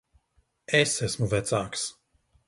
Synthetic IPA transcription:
ɛsɛsmuvɛt̪t͡s̪aks

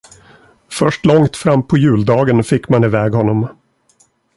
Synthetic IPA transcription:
fœʂʈlɔŋt̪fɾamːpʰɔjʉ̟ːld̪ɑːɡənfɪkːmanɪvɛːɡhɔnːɔm

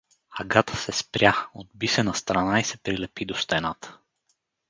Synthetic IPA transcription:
aɡat̪ə̥sɛspɾʲjaod̪̚bisɛnɐst̪ɾanaisɛpɾilɛpid̪ost̪ɛnat̪ə̥

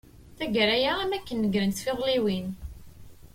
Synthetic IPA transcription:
θæɡəɾæjaæmækːənːəɡɾənθfɪðˤliwin

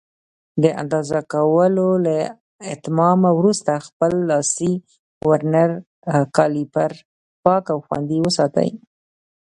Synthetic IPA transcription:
d̪əʔa̰nd̪ɑzakawəlola | ɪt̪mɑmawɾust̪axpəlːɑsi | ɡwaɾnaɾ | kɑlipaɾ | pɑkawxwa̰nd̪iwəsɑt̪ə̰j

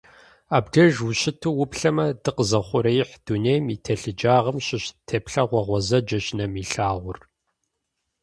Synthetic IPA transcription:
aːbɡɐʒwʊɕɪtʰuːwʊpɬɐmɐdɨqəzɐχʷʊɾɐjħd̥unejmitʰɐɬɨd͡ʒaːʁɐmɕɪɕtʰeːpɬɐʁʷɔʁʷɔzɐd͡ʒɐɕnɐmiɬaːʁʷʊr

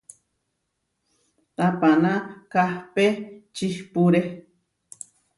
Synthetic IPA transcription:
t̪apanãkahpet͡ʃihpuɾe

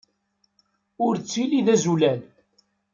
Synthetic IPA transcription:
ʊɾt͡sːiliðæzulæl

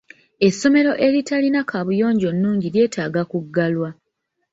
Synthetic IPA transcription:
e̞sːo̞me̞ɾo̞ʔe̞ɾitalinakʰaβujo̞ːɲɟo̞nːuːɲɟilje̞ːtʰaːɡakuɡːalwa

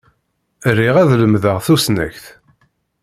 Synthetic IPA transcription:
rːiʁæðləmðəʁθusnæ̰çθ

